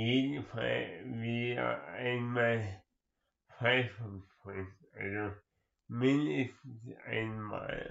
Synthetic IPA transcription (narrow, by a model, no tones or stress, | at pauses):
jeːdn̩fa̰lvia̰aɪnmal | faɪfɔnpʰɔ̃ɪns | alzo | mɪnəstn̩sa̰ɪnma̰ːl